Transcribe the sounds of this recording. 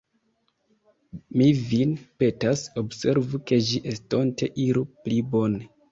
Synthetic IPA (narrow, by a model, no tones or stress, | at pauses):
mivinpe̞taso̞bse̞ɾvuke̞ʒiʔestontʰe̞ʔiɾuplibo̞ne